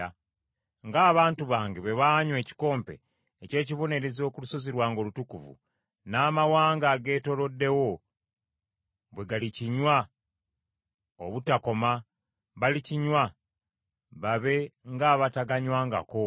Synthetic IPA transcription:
a | ŋɡaːβaːntuβaːŋɡeβe̞βaːɲwe̞ːci̥ko̞ːmpe̞̰ː | ce̞ːcivo̞ne̞ɾe̞zio̞kuluso̞ziɾwaːŋɡo̞ːlutukuvṵ | naːmawaːŋɡaɡe̞ːto̞lo̞dːe̞wo̞ | βwe̞ɡaliciɲwa | o̰βutako̞ma | βaliciɲwa | βaβe̞ŋɡaːβataɡaɲwaːŋɡa̰ko̞

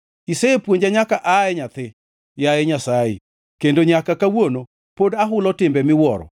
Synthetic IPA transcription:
isɛepwoɲd͡ʒaɲakaʔaɛɲat̪ɪ | jaeɲasaḛ | kendoɲakakawono | podaɦʊlɔtɪmbɛmɪwɔɾɔ̰

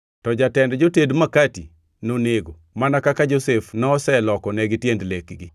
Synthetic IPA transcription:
tɔd͡ʒatɛndd͡ʒotedmakati | noneɡo | manakakad͡ʒosefnɔsɛlɔkɔnɛɡɪtjendlekɡɪ

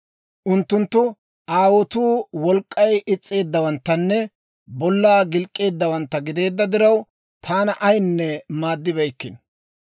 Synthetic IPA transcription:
ʔʊnt̪ːʊnt̪ːʊ | ʔaːwɔt̪uːwɔlkʼːɐjɪt͡sʼːe̞ːd̪ːɐwɐnt̪ːɐnːɛ | bɔlːaːɡɪlkʼːe̞ːd̪ːɐwɐnt̪ːɐɡɪd̪e̞ːd̪ːɐd̪ɪɾɐw | t̪ʰaːnɐʔɐjnːɛmaːd̪ːɪbɛjkːɪn

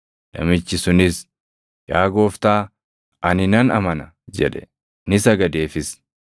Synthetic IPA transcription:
lɐ̰mɪt͡ʃːɪsʊnɪs | jaːɡo̞ːft̪aː | ɐnɪnɐnɐmɐnɐ | d͡ʒɛ̰ᶑɛ̥ | nɪsɐɡɐd̪e̞ːfɪs

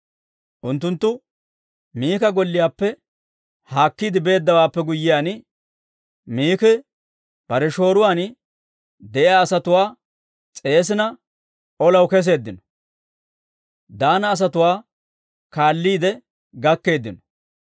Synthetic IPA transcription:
ʔʊnt̪ːʊnt̪ːʊ | miːkɐɡɔlːɪjaːpːɛ | haːkːiːd̪ɪbe̞ːd̪ːɐwaːpːɛɡʊjːɪjaːn | miːkɛ | b̥ɐɾɛʃo̞ːɾʊwaːn | d̪ɛʔɪaːsɐt̪ʊwaː | t͡sʼe̞ːs̬ɪnɐ | ɔlɐwkɛs̬e̞ːd̪ːɪnɔ̥ | d̪aːnɐːs̬ɐt̪ʊwaː | kaːlːiːd̪ɛ | ɡɐkːe̞ːd̪ːɪnɔ̥

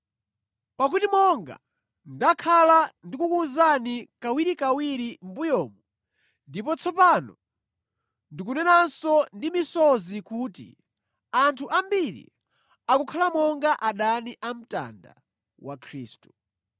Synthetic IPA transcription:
pak̬utimɔŋɡa̰ | ndakʰalandikukuzanikawiɾikawiɾimbujɔːmɔ | ndipɔt͡sʰɔpanɔ | ndik̬unɛnansɔndimisɔzikuːtḭ | antʰuʔambiɾḭ | akukʰalamɔŋɡaʔaɗaniʔam̩ta̰nda̰ | wa̰kʰɾḭːstu̥

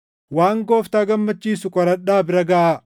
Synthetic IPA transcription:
waːŋɡoːft̪aːɡɐmːɐt͡ʃːiːsʊkʼɔɾɐᶑːaːbɪɾɐɡɐʔa

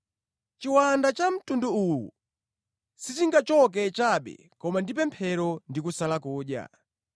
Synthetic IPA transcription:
t͡ʃiwandat͡ʃam̩tunduuwṵ | sitiŋɡat͡ʃɔk̬ɛt͡ʃaɓɛ̰ | kɔmandipɛmpʰɛɾɔndikusalakuːɗja̰

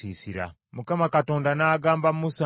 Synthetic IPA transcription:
iːsiɾa̰ | mukamakato̞ːndanaːɡaːmbammusa

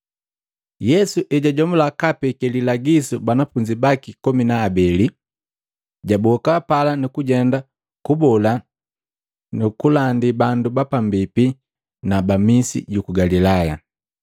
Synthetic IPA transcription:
jɛsuʔɛɟaɟɔmulakapɛkɛlilaɡisubanafuɲd͡ʒibakikɔminaːbɛli | ɟabɔkapalanukuɟɛnda | kubɔla | nukulandibandubapambipi | nabamisḭɟukuɡalilaja

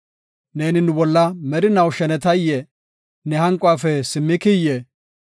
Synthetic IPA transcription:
ne̞ːnɪnʊbɔlːɐmɛɾɪnɐwʃɛnɛt̪ɐjːɛ | nɛhɐŋkʼːʊaːfɛsɪmːɪkɪjːɛ

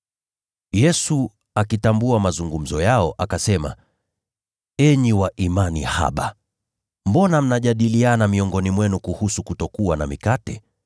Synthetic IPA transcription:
jɛsu | akitambuamazuŋɡum̩zɔjaɔʔakasɛma̰ | ɛɲiwaʔimanḭha̰ɓa̰ | mbɔnam̩naʄaɗilianamiɔŋɡɔnimwɛnukuhusukutɔkuwana̰mikatɛ

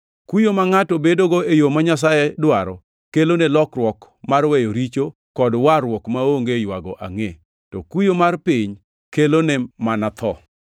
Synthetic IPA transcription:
kujomaŋatobedoɡoejomaɲas̬ajedwaɾɔ | kelonelɔkrwɔk | marwɛjoɾit͡ʃo | kɔdwaɾwɔkmaoŋɡejwaɡɔ̰ʔa̰ŋe | tɔkujomarpɪɲ | kelonɛmanat̪ʰɔ

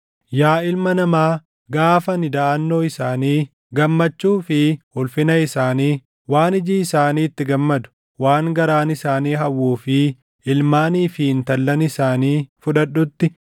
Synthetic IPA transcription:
jaːɪlmɐnɐmaː | ɡaːfɐnɪd̪ɐʔɐnːo̞ːɪsaːniː | ɡɐmːɐt͡ʃːuːfɪhʊlfɪnɐɪsaːniː | waːnɪd͡ʒiːɪsaːniːɪt̪ːɪɡɐmːɐd̪ʊ̥ | waːŋɡɐɾaːnɪsaːniːɦɐwːuːfɪ | ʔɪlmaːniːfɪnt̪ɐlːɐnɪsaːniːfʊᶑɐɗːʊt̪ːɪ

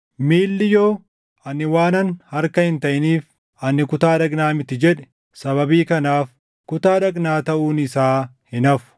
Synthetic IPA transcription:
miːlːɪjoː | ɐnːɪwaːnɐnhɐɾkɐhɪnt̪ɐʔɪniːf | ʔɐnːɪkʊt̪aːᶑɐɡnaːmɪt̪ːɪd͡ʒɛᶑɛ̥ | sɐβɐbiːkɐnaːf | kʊt̪aːᶑɐɡnaːt̪ɐʔuːnɪsaːhɪnɐfʊ̥

